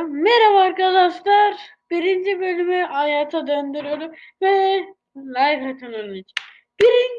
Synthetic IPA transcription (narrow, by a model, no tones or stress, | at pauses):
meɾavaɾkad̪aʃlˠaɾ | b̥iɾind͡ʒibølʲymyajaːt̪ʰad̪ønd̪yɾijoɾum | vɛ | lajfat̪ʰɯnɯnit͡ʃ | b̥iɾin